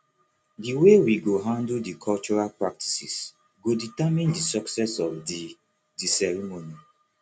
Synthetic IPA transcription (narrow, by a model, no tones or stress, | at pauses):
diwewiɡoɦãndldikʰɔlt͡ʃɔɹalpɹak̚tʰi̥sḭs | ɡoditamĩndisɔksɛsɔfdi | disɛɹimoni